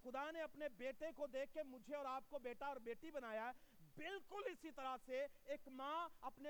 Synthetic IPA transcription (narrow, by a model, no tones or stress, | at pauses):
xʊd̪aneɐpnebeːʈekod̪eːkʰːemʊd͡ʒʱeɔːɾaːp̚kobeːʈaɔːɾbeːʈibɐnaːjaɦɛbɪlkʊlɪsit̪ɐɾaseeːkmãːɐpne